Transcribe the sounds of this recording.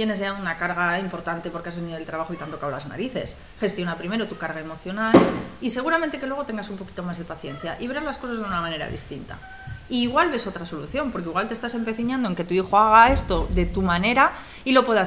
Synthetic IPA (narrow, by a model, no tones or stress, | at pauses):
t̪jene̞zʝaunakaɾɣ̞aimpo̞ɾt̪ant̪e̞poɾkeazβe̞niðolt̪ɾaβaxo̞it̪ant̪o̞kaola̰zna̰ɾiθe̞s | xe̞st̪jo̞napɾime̞ɾo̞t̪ukaɾɣae̞mo̞θjo̞nalise̞ɣuɾamẽnt̪e̞kelwe̞o̞t̪e̞ŋɡasumpo̞ki̥t̪o̞mazðe̞paθje̞nθja̰ʔiβe̞ɾazlasko̞sazðunamãne̞ɾa̰ðḭst̪int̪a̰ | iːɣwalβe̞so̞t̪ɾaso̞luθjo̞mpo̞ɾkeiɣwalt̪est̪ase̞mpe̞θiɲãnd̪oeŋke̞t̪uixoaɣ̞ae̞st̪o̞ðe̞t̪umane̞ɾa | ilo̞pwe̞ða